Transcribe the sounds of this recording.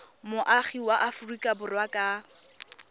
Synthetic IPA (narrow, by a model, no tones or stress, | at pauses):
mʊʔaχiwaʔafʊrikʼabʊrwakʼa